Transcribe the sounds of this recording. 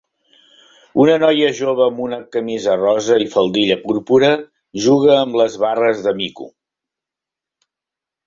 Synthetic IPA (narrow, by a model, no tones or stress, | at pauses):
unənɔjəʒoβəːmunəkəmizərɔzəifəlˠd̪iʎəpuɾpuɾə | ʒuɣ̞əːmləzβarəzðəmikṵ